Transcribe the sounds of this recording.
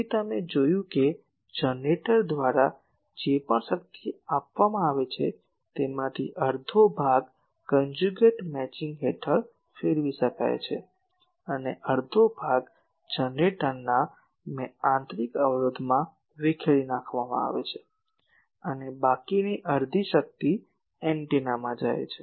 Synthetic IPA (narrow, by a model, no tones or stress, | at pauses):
it̪əmed͡ʒojũke | d͡ʒəneʈəɾd̪ʋaɾa | d͡ʒepəɳʃək̚t̪iapʋamãaʋet͡ʃʰḛ | t̪emãt̪ʰiʔəɾd̪ʱobʱaɡ | kənd͡ʒuɡeʈmɛt͡ʃĩŋɡɦeʈʰəɭ | feɾʋiʃəka̰jt͡ʃʰḛ | əneʔəɾd̪ʱobʱaɡ | d͡ʒənɖeʈənːa | mɛãnt̪ɾikəʋɭod̪ʱmã | ʋekʰeɭinakʰʋamã̰a̰ʋḛt͡ʃʰe | ənebakiniʔəɾd̪ʱiʃək̚t̪i | ɛɳʈinamãd͡ʒa̰j̰t͡ʃʰe